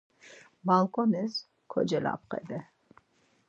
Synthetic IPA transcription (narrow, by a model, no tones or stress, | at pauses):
balˠkʼɔnɪz | kʰɔ̰d͡ʒɛla̰p̚qə̰d̪ɨ